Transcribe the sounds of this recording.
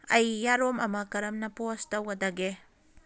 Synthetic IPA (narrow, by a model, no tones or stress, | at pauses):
ɐjːaɾomɐmɐkɐɾɐmnɐpostɐwɡɐdɐɡe